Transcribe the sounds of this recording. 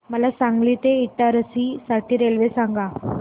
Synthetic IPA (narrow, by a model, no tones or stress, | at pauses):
məlasãŋɡliːt̪eiʈ̪aɾəsiːsaʈiːɾelʋesaŋɡa